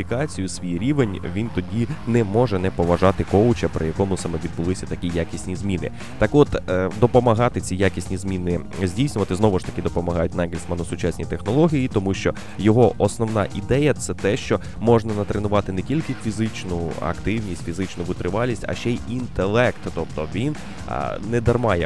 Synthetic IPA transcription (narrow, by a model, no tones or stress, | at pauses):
ikɑt͡sʲijʊsʲʋʲijiɾʲiʋenʲʋʲint̪ɔdʲinɛmɔʒɛnɛpɔʋɐʒɑt̪ɪkɔwt͡ʃɐpɾɪ̰jɐkɔmʊsɑmɛʋʲid̪bʊlˠɪsʲɐt̪ɐkʲijakʲisʲnʲizʲmʲinɪ̰ | t̪ɑkɔt̪d̪ɔpɔmɐɦɑt̪ɪt͡sʲijakʲisʲnʲizmʲinɪ | zʲdʲijsʲnʲʊʋɐt̪ɪznɔʋʊʃt̪ɐkʲɪd̪ɔpɔmɐɦɑjʊtʲnɛɡʲɪlʲsmɐnɔsʊt͡ʃasʲnʲit̪exnɔlˠɔɦʲijit̪ɔmuʃt͡ʃɔ | jɔɦɔʔɔsnɔwnɑʔid̪ɛjɐt̪sɛt̪ɛʃt͡ʃɔ | mɔʐnɐnɐt̪ɾenʊʋɑt̪ɪnetʲilʲkɪfʲizɪt͡ʃnʊɐ̰kt̪ɪwnʲisʲtʲfʲizɪt͡ʃnʊʋɪt̪ɾɪʋɑlʲːisʲtʲɐ̰ʃt͡ʃɛjʔint̪elˠɛkt̪ːɔpt̪ɔʋʲin̰ | nɛd̪ɐrmɑjɛ